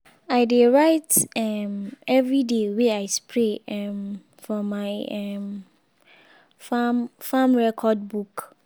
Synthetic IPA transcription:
aɪdeɹaɪtɛmɛvɹideweaɪspʰɹeɛm | fɔmaɪɛm | famfãmɹɛkʰɔd̚buk

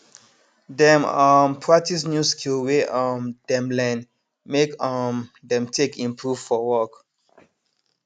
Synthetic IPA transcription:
dɛ̃mɔmpʰɹatisnjuskʰilweʌmdɛ̃mlɛ̃n | mekʌmdɛ̃mtʰekʰĩmpʰɹuvfɔwɔk

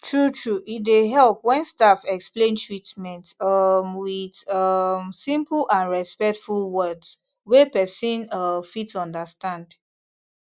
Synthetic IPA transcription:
tʰɹutɹuʔitdeɦɛlˠpwɛ̃nstafɛksplẽntʰɹitmɛ̃ntʌmwidʌmsĩmpl̩ãnɹɛspɛk̚tfulwɜds | wepɛsĩnʌfitsɔ̃ndəstãnd

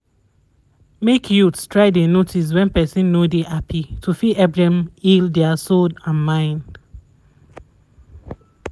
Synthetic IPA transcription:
mekʰjutstʰɹaɪdenotʰis̬wɛ̃npɛsĩnːodeʔapʰitʰufiɛbɹɛ̃mildɛasodãnmãɪ̃nd̥

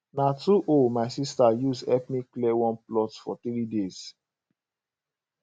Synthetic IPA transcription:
natuʔomaɪsistajusɛpmiklɛwɔ̃nplɔtfɔ̰t̪ɾidez̥

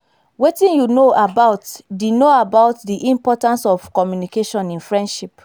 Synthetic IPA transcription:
wetĩnjunoʔabaʊtdinoabaʊtdiʔĩmpɔtãnsɔv̥kɔmjunikeʃɔ̃nĩnfɹɛ̃ndʃip

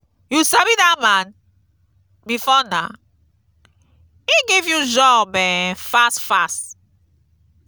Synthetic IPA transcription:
jusabidamãn | mifɔna | iɡevjud͡ʒɔbɛ̃fastfast

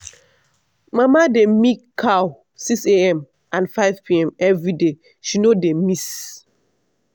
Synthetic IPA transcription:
mamademikʰːaw | sikseɛ̃m | ʔãnfaɪvpʰiɛ̃mɛvɹide | ʃinodemis

